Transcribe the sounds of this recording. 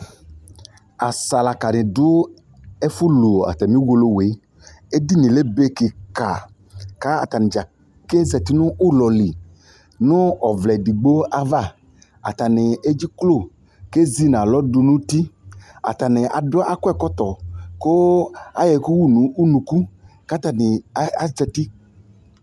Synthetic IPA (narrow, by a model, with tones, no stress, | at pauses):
a˨sa˨la˨ka˨nɪ̃˨dʊ˦ | e˦fu˦lo˨a̰˨t̪a˨mĩ˦wo˨lo˦we˨˦ | e˦di˦nĩ˨le˦be˦ki˨ka˨ | ka˦a̰˨t̪a˨nɪ̃˨d͡ʒa˨ | ke˦zɛ˨t̪i˦nʊ̃˦ʔu˦lɔ˨li˨ | nʊ̃˦ɔ˨vlɛ˨di˨ɡ͡bo˦a˨va˦˨ | a̰˨t̪a˨nɪ˨e˦d͡ʒi˦klo˦˨ | ke˦zi˦nã˨lɔ˦du˨nũ˦t̪i˦a̰˨t̪a˨nẽ˨ʔa̰˨dɔ˦ʔa˦kɔ˦ɛ˦˨kɔ˦t̪ɔ˨ko˦a̰˨jɛ˨ku˦wu˦˨nũ˨u˦nũ˨ku˦ka˦t̪a˨nɪ˨a˦a˨d͡ʒɛ˦ti˦